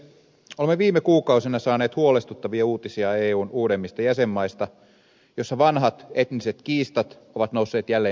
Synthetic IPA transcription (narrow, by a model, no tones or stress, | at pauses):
olemːeʋiːmekuːkɑusenɑsɑːneːt̪huolest̪ut̪ːɑʋiɑuːt̪isiɑeːuːnuːɾemːist̪ɑjæsemːɑist̪ɑ | jo̞sːɑʋɑnɦɑt̪e̞t̪niset̪kiːst̪ɑt̪ | o̞ʋɑt̪nousːeːt̪jælːeː